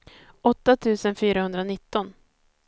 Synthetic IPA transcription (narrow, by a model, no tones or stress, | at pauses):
ɔt̪ːat̪ʰʉ̟ːsənfyːɾahɵnd̪ɾanɪt̪ːɔn